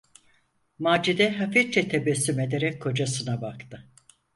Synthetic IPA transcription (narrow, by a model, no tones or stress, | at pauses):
maːd͡ʒid̪ɛɦafiɾt͡ʃʰɛt̪ʰebɛsːyme̞d̪eɾɛc̚kʰːo̞d͡ʒasɯnabakt̪ʰɯ